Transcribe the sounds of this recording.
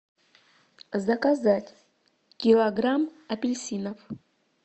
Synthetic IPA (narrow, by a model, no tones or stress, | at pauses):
zɐkazatʲ | kʲilˠɐɡramɐpʲɪlʲsʲinɐf